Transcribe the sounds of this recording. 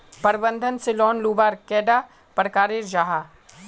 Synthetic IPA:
pɐɾbə̃nd̪ʱənsɪlɔːnluːbaːɾkɛːɖaː | pəɾkaːɾeɾd͡ʒaːɦaː

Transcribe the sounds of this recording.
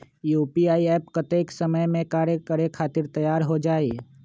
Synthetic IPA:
juːpiaːiɛːpkət̪eːksəməjmẽkaːɾjəkəɾekʰaːt̪ɪɾt̪əjaːɾɦod͡ʒaːeː

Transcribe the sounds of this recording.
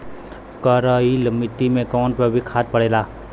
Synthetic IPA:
kəɾəiləmɪt̪imẽkɔːnpəbʱikʰaːt̪̚pəɽeːlaː

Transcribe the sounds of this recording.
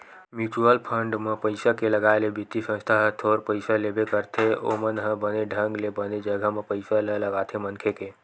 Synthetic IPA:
mjuːt͡ʃuəlpʰəɳɖmepəɪsakeləɡaelebʱit̪isə̃nst̪ʰaɦt̪ʰoːɾpəɪsalebekəɾt̪ʰeo̰mənɦə̃bəneɖʱə̃ŋɡlebəned͡ʒəɡʱəmẽpəɪsalələɡaːt̪ʰemənkʰeke

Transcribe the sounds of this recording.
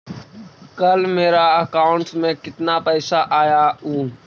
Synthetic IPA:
kəlmeːɾaːəkaːʊɳsmẽːkɪt̪naːpəɪsaːʔaːjaːuːn

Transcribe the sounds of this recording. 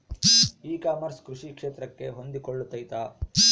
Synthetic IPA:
iːkaːmɐɾskɾuʂikʂeːt̪ɾɐkːe̞ɦo̞nd̪ikoɭːut̪ːɐjt̪aː

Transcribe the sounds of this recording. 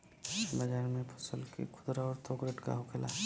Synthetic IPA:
bəd͡ʒaːɾmẽpʰʊsəlkḭkʰʊd̪ɾaɔːɾt̪ʰoːɡɾəʈka̰ɦʊkʰela

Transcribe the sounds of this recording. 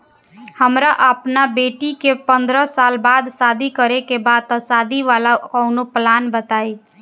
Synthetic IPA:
həmɾaʔəpnabeːʈikepə̃nd̪ɾəsaːlbaːd̪saːd̪ikəɾekebaːd̪̚əsaːd̪iʋaːlakɔʊnoplaːnbət̪aːi

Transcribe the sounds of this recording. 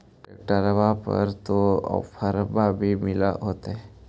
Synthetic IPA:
ʈəʈəɾbapə̰ɾt̪oə̰pʰəɾbabʱimɪla̰ɦoːt̪aɦɛ

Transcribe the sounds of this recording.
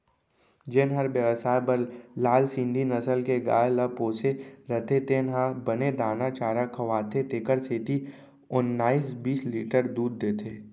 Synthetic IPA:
d͡ʒeːnɦəɾbjəʋəsaːpəɾlaːlsĩnd̪ʱinəsəlkeɡa̰ːləpoːseɾət̪ʰet̪ʰenɦabəned̪aːnat͡ʃaːɾakʰəʋaːt̪ʰet̪eːkəɾseːt̪i | ʊnːaːiːsbiːsliːʈəɾd̪uːd̪ːeːt̪ʰeː

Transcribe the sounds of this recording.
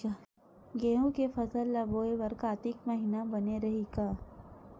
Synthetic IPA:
ɡeːɦõkefɐsəlːɐboːeʋɐɾkaːt̪ɪkmɐɦiːnabɐneɾɐɦeɡaː

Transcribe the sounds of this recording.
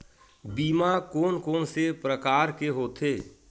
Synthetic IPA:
biːmakoːnkoːnsepɾəkaːɾkeɦoːt̪ʰeː

